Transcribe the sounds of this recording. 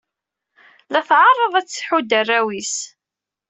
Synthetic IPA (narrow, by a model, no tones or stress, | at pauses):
læθʕɑrˤːəðˤæt͡sːħud̪ərːæwis